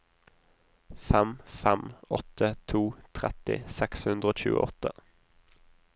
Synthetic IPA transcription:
fɛmfɛmɔt̪ʰət̪ʰuːt̪ʰʁɛt̪ɪ̰sɛkshʉnd̪ʁəoːc͡çʉ̰ːə̰ʔɔt̪ə

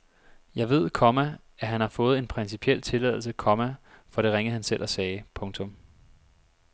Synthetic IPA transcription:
jɑ̈ɪʋe̝ð̰ˠkʰɒ̽mæ | æɦænhɑ̈fɔ̽ːð̩ˠe̝npʰʁɛnsipʰiel̰t͡sʰe̝lɛðˠl̩səkʰɒ̽mæfɒ̽ɾ̥e̝ʁeŋðˠhænselʔɒsɛːɪpʰɔ̽ŋt͡sʰɔ̽m

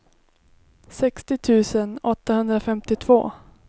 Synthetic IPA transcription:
sɛkst̪ɪt̪ʰʉ̟ːsənɔt̪ːahɵnd̪ɾafɛmt̪ɪt̪ʰv̥o̰ː

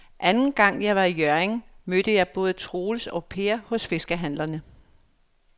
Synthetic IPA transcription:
ʔænn̩ɡ̥ɑ̈ŋ̰jɑ̈ɪʋɑ̈ijøɐeŋmød̥əjɑ̈ɪb̥ɔ̽ːð̞ˠət͡sʰʁoːlsɒ̽pʰe̝ːɐhɔ̽sfe̝sɡ̥əɦæn̰lɐnə

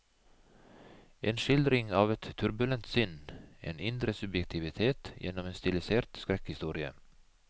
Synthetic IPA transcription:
ʔeːnʂɪld̪ɾɪŋɑːʋɛt̪ʰːʉɾbʉlɛnt̪sʏnʔḛːnɪnd̪ɾəsɵbjɛk̚t̪ʰɪʋɪt̪ʰeːt̪jḛːnɔmeːnst̪ɪlɪseːɾt̪skɾɛkhɪst̪uːɾɪə̰

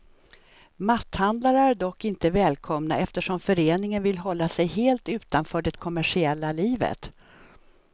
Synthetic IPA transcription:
mat̪ːhand̪laɾəæɖɔkːɪnt̪əvɛːlkʰɔmnaʔɛft̪əʂɔmfœɾeːnɪŋənvɪlːɦɔlːasɛjɦeːlt̪ʉ̟ːt̪anfœːɖɛkʰɔmæʂɪɛlːaliːvə̰t̪

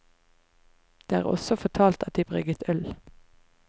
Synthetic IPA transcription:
d̪̥eːæ̰ːʁɔ̰sɔfɔt̪ʰɑːlt̪ɑt̪̚d̪iːbʁʏɡət̪ʰœl

